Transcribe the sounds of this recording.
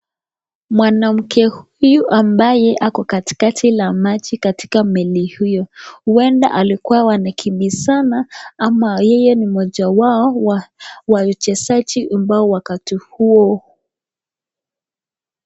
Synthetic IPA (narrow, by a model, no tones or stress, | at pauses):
mwanam̩kʰɛhujuʔambajɛʔakɔkati̥katʰilamad͡ʒikati̥kamɛlihujɔhuwɛnda̰ʔalikuwawanakʰimbisanaamajɛjɛnimɔʄawaɔwawajɔt͡ʃɛsat͡ʃiʔambaɔwakatihuɔ